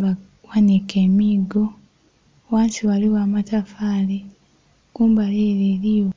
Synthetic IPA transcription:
ba | wanikeːmiːɡo | waːnsiwaliwaːmatafaːli | kuːmbaleːɾeɾio

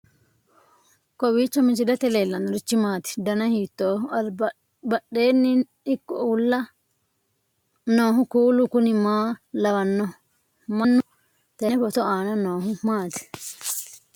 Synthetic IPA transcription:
kɔwiːt͡ʃːɔmɪt͡ʃːɪd̪ɐt̪ɛleːlːɐnʊɾɪt͡ʃːɪmaːt̪ɪ̥d̪ɐnɐhiːt̪ːoː | bɐɗeːnːɪ | ɪkːɔulːɐ | noːɦʊkuːlʊkʊnɪmaːlɐwɐnːɔ | mɐnːʊ | t̪ɛɛbɔt̪ɔaːnɐnoːɦʊmaːt̪ɪ̥

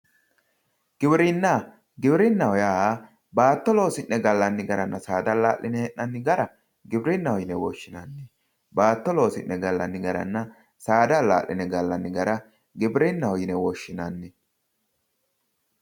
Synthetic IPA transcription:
ɡ̥ɪbɾɪnːa | ɡɪbɾɪnːɐwɔjaː | baːt̪ːɔlo̞ːsɪnːɛɡɐlːɐnːɪɡɐɾɐnːɐsaːd̪ɐlaːʔlʔɪnɛhɛʔːɐnːɪɡɐɾɐ | ɡɪbɾɪnːɐhɔjɪnɛwɔʃːɪnɐnːɪ | baːt̪ːɔlo̞ːsɪ̰nːɛɡɐlːɐ̰nːɪɡɐɾɐ̰nːɐ | saːd̪ɐla̰ːʔlʔɪ̰nɛɡɐlːɐnːɪɡɐɾɐ | ɡɪbɾɪnːɐhɔjɪnɛwɔʃːɪnɐnːɪ

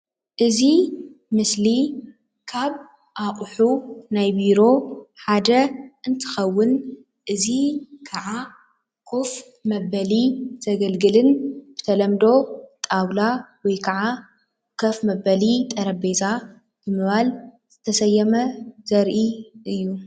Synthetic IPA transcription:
ʔɨzimɨsli | kʰaβ | ʔaqʼħunajbiɾo̞ħad̪ɐʔɨnt̪ʰɨ̥xɐwːʊn | ʔɨzikʰɐʕa | kʰʼof | mɐβɐliz̥ɐɡɐlɡɨlɨnb̥ɨt̪ʰɐlɐmd̪o̞t̪ʼawlawɔjkʰɐʕa | kʰɐfmɐbɐlit̪ʼɐɾɐbeza | b̥ɨmɨβalz̥ɨt̪ʰɐsɐjːɛmɐzɐɾʔiʔɨjːu

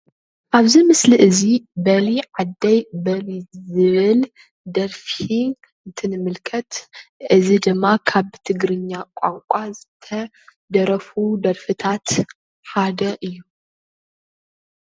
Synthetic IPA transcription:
ʔaβzimɨsliʔɨzibɐliʕad̪ːɐjbɐlizɨβɨl | d̪ɐɾfi | ɨnt̪ʰɨnɨmɨlkʰɐt̪ʔɨzid̪ɨmːakʰaβt̪ʰɨɡɾɨɲːakʷʼa̰ŋkʷʼazɨt̪ʰɐ | d̪ɐɾɐfud̪ɐɾfɨt̪ʰat̪ | ħad̪ɐʔɨjːu

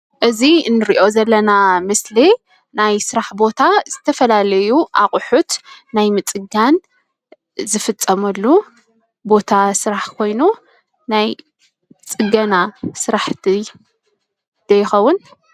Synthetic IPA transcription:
ʔɨziɨnːɨɾiʔo̞zɐlːɐnamɨsli | najsɨɾaħbo̞t̪ʰaz̥ɨt̪ʰɐfɐlalɐjuʔa̰χʼʊħut̪najmɨt͡sʼɨɡan | zɨfɨt͡sʼːɐmɐlːu | bo̞t̪ʰasɨɾaħkʰo̞jnu | naj | t͡sʼɨɡɐnasɨɾaħt̪ʰi | d̪̥ɐjːɪxɐwːʊn

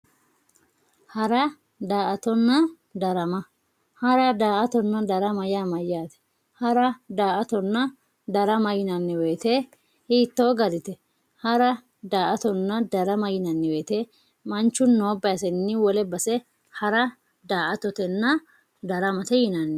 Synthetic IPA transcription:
hɐɾɐ | d̪aːʔɐt̪ɔnːɐ | d̪ɐɾɐmɐ | hɐɾɐd̪aːʔɐt̪ɔnːɐd̪ɐɾɐmɐjaːmɐjaːt̪ɛ̥ | hɐɾɐd̪aːʔɐt̪ɔnːɐ | d̪ɐɾɐmɐjɪnɐnːɪweːt̪e | hiːt̪ːo̞ːɡɐɾɪt̪ɛ | hɐɾɐ | d̪aːʔɐt̪ɔnːɐd̪ɐɾɐmɐjɪnɐnːɛweːt̪e | mɐnt͡ʃːʊnːo̞ːbɐjɐs̬ɛnːɪwɔlɛbɐsɛ | hɐɾɐ | d̪aːʔɐt̪ɔt̪ɛnːɐ | d̪ɐɾɐmɐt̪ɛjɪnɐnːɛ

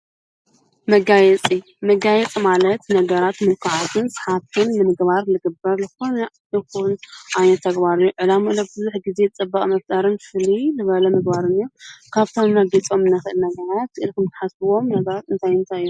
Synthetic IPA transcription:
mɐɡajɛt͡sʼi | mɐɡajɛt͡sʼimalɐt̪nɐɡɐɾat̪mɨlkʰaʕazʰɨnsɨ̥ħat̪ʰɨnnɨmɨɡbaɾlɨɡɨbːɐɾlɨxo̞nɐ | ɨxunʔajnɐt̪ʰːɐɡbaɾɨjːuʕɨlamulɐbɨzuħɡizet͡sʼɨbːɐkʼmɐft̪ʼaɾɨnfɨlinɨβɐlɐmɨɡbaɾɨnːiokʰaβt̪ʰomnɐɡit͡sʼo̞mɨnːɐxɨʔɨlnɐɡɐɾat̪ɨʔɨlkɨmt̪ʰɨ̥ħasɨwo̞mnɐɡɐɾat̪ɨnt̪ʰajɨnt̪ʰajːu

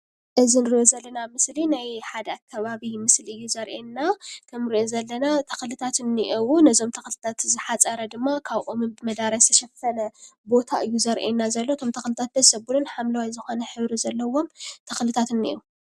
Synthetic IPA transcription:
ʔɨzinɨɾiʔozɐlːɐnamɨslinajħad̪ɐakʰːɐβaβimɨsliʔɨjːuzɐɾʔenːakʰɐmɾiʔozɐlːɐnat̪ʰɐ̥xlɨt̪ʰat̪ɨnːiʔiwunɐzo̞mt̪ʰɐxlɨt̪ʰat̪zɨħat͡sʼɐɾɐd̪ɨmːakʰaβʔomɨnbɨmɐd̪aɾɐst̪ʰɐʃɐfɐnɐbo̞t̪ʰaʔɨjːuzɐɾʔenːazɐlːot̪ʰo̞mt̪ʰɐxlɨt̪ʰat̪̚b̪ɐzsɐbulunħamlɐwajzɨxo̞nɐħɨβɾizɐlːɐwo̞mt̪ʰɐxlɨt̪ʰat̪ɨnːḭʔu

